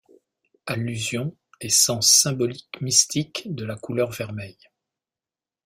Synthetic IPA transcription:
alːyzjɔ̃ | esɑ̃sːɛ̃bɔlikmist̪ʰikd̪əlakulœʁvɛʁmɛj

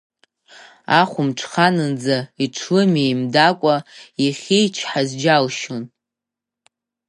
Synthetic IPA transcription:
aχʷʊmʈ͡ʂʰχanɨnd͡zaiʈ͡ʂʰɨmejmdakʷʼaiχʲijt͡ʃʰħazd͡ʒalʃon

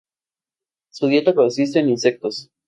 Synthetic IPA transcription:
suðjet̪akonsis̬t̪e̞ːninse̞k̚t̪os

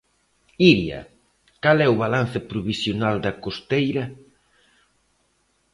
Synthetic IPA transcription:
iɾjɐ̰ | kalɛʊβalan̟θɪpɾuβisjonald̪ɐkost̪ejɾɐ

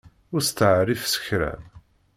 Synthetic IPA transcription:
ʊɾst̪əʕrifsə̥çɾæ̰

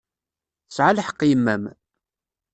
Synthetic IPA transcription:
θəsʕalħə̥qːjəmːæm

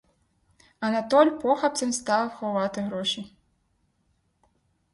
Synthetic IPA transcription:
ɐnat̪ɔlʲpɔxɐp̪̚sɨmst̪awɐwxɔvat̪ɨɣɾɔʃi

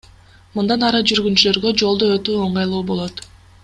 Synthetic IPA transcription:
mund̪ɑnɑɾɯd͡ʒyɾɡynt͡ʃylø̞ɾɡø̞d͡ʒo̞lˠd̪oøt̪yːo̞ɴɑjlˠuːbo̞lˠo̞t̪

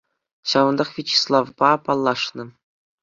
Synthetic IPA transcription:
ɕɑvɤ̆nd̪ɑχʋʲit͡ɕi̥slˠɑvpɑpɑlˠːɑʂnɤ̆

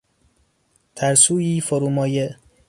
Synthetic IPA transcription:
t̪ʰæɾsuːjiːfoɾuːmɒːje

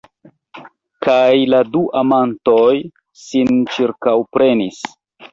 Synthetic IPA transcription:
kajladuʔamantoj | sint͡ʃiɾkawpɾe̞nis

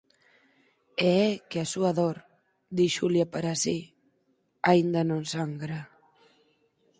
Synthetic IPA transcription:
eɛkeasuaðoɾ | d̪iʃuljapaɾasi | aind̪ɐnõŋsaŋɡɾa

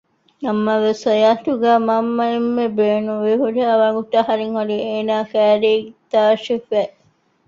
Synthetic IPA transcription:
nɐmːɐʋesɐjaːt̪uɡæːmɐmːɐemːebeːnuʋeɦuɖɐɐʋɐŋɡut̪ɐɦɐɾiŋhoɾieːnaːkæːɾeːt̪aːʃifæ

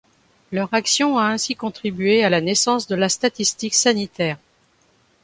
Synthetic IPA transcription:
lœʁaksjɔ̃aɛ̃sikɔ̃t̪χibɥealanesɑ̃sd̪əlast̪at̪ist̪iksanit̪ɛːʁ

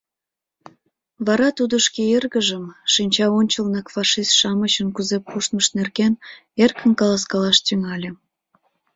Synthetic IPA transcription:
βɑɾɑt̪ud̪əʃkeerɣəʒəmʃinʲt͡ɕɑonʲt͡ɕəlnəkfɑʃist̪ʃɑmət͡ɕənkuzepːuʃt̪məʃnerken | erkʰə̆nkɑlɑskɑlɑʃt̪yŋɑlʲe

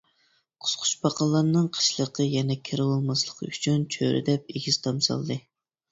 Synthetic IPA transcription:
qʰʊ̥sqʰʊ̥t͡ʃbɑqʰɑlˠːɑɾnɨŋqʰə̥ʃlˠəqʰəjɛnɛkʲʰeɾɨlˠɨlˠmɑslˠəqʰyt͡ʃʰynt͡ʃʰø̰ɾɪ̰d̪ɛp̚eɡʲiz̥t̪ʰɑmsɑ̰lˠd̪ɨ

